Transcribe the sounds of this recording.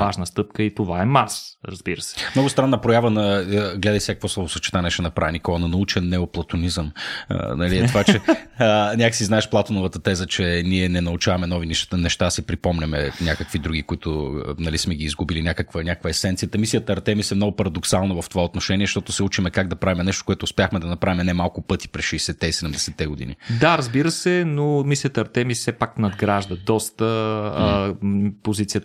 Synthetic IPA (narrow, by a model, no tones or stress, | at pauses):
vaʒnəst̪ɤp̚kəit̪ovaɛmasɾɐzbiɾəsɛ̥mnɔɡʊst̪ɾanːəpɾojavənɐɡlɛd̪əjsɛkə̥kvɔslˠɔvosɐt͡ʃɛ̥t̪anɛʃɛnɐpɾavɛnikɔnɐnɐut͡ʃɛnːɛoplˠɐt̪onizəm̰nɐliɛtt̪ovat͡ʃɛ | nʲakəsiznaɛʃplˠat̪onovət̪ət̪ɛzət͡ʃɛniɛnɛnɐut͡ʃavɐmɛnɔvinnɛʃt̪asipɾipɔmnɛmɛnʲakəkvid̪ɾuɡikʊit̪ʊnɐlismɛɡiːzɡubilinʲakəkvənʲakə̥kvəɛsɛnt̪sijət̪əmisijət̪əɐɾt̪ɛmisɛmnɔɡʊpɐɾɐd̪oksalˠnovɐft̪ovaot̪noʃɛniɛʃt̪ɔt̪osɛut͡ʃimɛkaɡ̚d̪ɐpɾavimɛnɛʃt̪okoɛt̪ʊːspjaxmɛd̪ɐnɐpɾavimɛnɛmalˠkʊpɤt̪i̥pɾɛsʃɛɛsɛt̪ɛisɛd̪ɛmd̪ɛsɛt̪ːɛɡod̪ḭnḭd̪aɾɐzbiɾəsɛnomisijət̪əɐɾt̪ɛmisɛpaknɐd̪ɡɾaʒd̪əd̪ɔst̪ə | pozit̪sijə